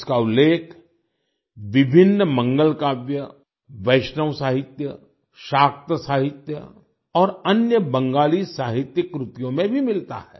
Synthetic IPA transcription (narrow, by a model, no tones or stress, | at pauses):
ɪskaʊlːeːkʰ | ʋɪbʱɪnːmɐ̃ŋɡəlkaːbjə | ʋɐɪʃnəwsaːɦɪt̪jə | ʃaːk̚t̪əsaːɦɪt̪jə̰ | ɔːɾɐnjəbɐ̃ŋɡaːlisaːɦɪt̪jəkɾʊt̪jõmẽbʱimɪlt̪a̰hɛ̰ː